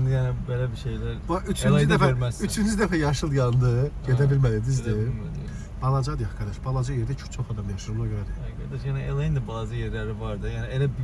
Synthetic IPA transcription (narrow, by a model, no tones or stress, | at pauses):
jænibelæbiʃejlæɾʔyt͡ʃʰynyzd̪æfɾmæyt͡ʃʰynyzd̪æfæjɑʃɯlˠd̪jɑnd̪ɯɟed̪æbilmælid̪izd̪i | b̥ɑlˠɑd͡ʒɑd̪ɯjɑχkʰɑɾd̪ɑʃb̥ɑlˠɑd͡ʒɑjeɾd̪æt͡ʃʰu̥t͡ʃʰo̞χɑd̪ɑmjɑʃɯɾolˠɑɡøɾæd̪iɡɑɾd̪ɑʃjæniʔelejind̪æblˠɑzɯjeɾlæɾivɑɾd̪ɯjæːnielæb